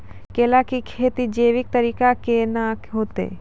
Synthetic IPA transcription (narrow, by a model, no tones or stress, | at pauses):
keːlakikʰeːt̪id͡ʒeːʋɪk̚t̪əɾiːkakenakɦoːt̪ḛː